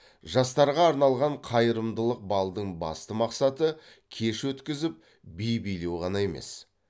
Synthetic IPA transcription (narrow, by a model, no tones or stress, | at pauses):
ʒɑst̪ɑɾʁɑːɾnɑlˠʁɑɴqʰɑjəɾəmd̪əlˠəq̚bɑlˠd̪əɴbɑ̰st̪əmɑqsɑt̪ə | kʲʰe̞ʃwɵt̪kʲɪzɪp̚ | bijbijle̞wʁɑnɑje̞me̞̰s